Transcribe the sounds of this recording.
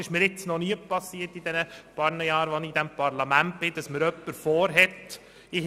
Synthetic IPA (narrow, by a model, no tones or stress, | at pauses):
ɪʃmɪːɾɪt͡snɔniəpɑsiətid̪ɛnəpɑɾnəjɑːɾʋɔnid̪ɛmpɑɾlɑmænt̚b̥ɪd̪̥ɑsməɾœpːəɾfɔːɾɦɛt | ɪ